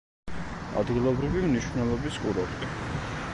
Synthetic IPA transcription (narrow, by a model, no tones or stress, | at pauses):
a̰d̪ɡilˠɔbɾivimniʃvnɛlˠɔbiskʼuɾat̪ʼ